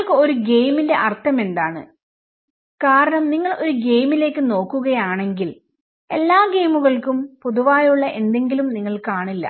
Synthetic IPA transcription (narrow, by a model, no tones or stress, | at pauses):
ɭkɨo̞ɾuɡe̞jminde̞ʔɐrt̪ʰːɐme̞nd̪aːɳɨ̰ | kaːɾɐɳɐmniŋːɐɭo̞ɾuɡe̞jmile̞ːkːɨno̞ːkːuɣɐjaːɳe̞ŋɡil | e̞lːaːɡe̞jmuɣɐɭkumpuðuʋaːjuɭːɐʔe̞nd̪e̞ŋɡilumniŋːɐɭkaːɳilːɐ̰